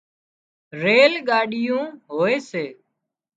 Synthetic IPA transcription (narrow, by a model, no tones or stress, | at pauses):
ɾeːlɠaːɗɪjũːɦoːeːseː